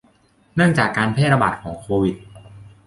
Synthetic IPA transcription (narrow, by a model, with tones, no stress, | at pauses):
nɯ˥˩əŋt͡ɕaː˨˩kːaː˧npʰeː˥˩t̪̚ɾa˧baː˨˩t̪̚kʰɔː˩˦ŋkʰoː˧wi˨˩t̪̚